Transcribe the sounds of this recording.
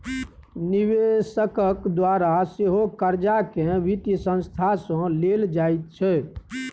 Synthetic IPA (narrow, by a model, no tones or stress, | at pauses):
niʋesəkəkd̪waɾaseɦokəɾd͡ʒakẽʋit̪isə̃nst̪ʰasɔ̃leld͡ʒait̪̚t͡ʃʰɛ